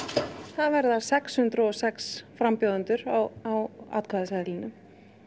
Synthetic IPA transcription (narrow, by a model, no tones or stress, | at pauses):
θaðvɛɾðaɾ̥sɛkshʏnt̪ɾʏɔsɛksfɾampjoːðant̪ʏɾaawa̰ːt̪kʰaːðasɛðlɪnʏm